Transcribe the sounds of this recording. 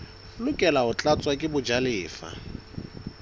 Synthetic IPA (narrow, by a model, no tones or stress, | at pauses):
lʊkʼɛlaʊt͡ɬʼat͡sʼwakʼɪbʊd͡ʒalɪːfa̰